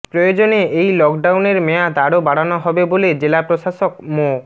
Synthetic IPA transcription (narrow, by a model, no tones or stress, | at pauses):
pɾojod͡ʑoneejlɔkɖawneɾmɛjad̪aɽobaɽanɔɦɔbeboled͡ʑelapɾoʃaʃok̚mo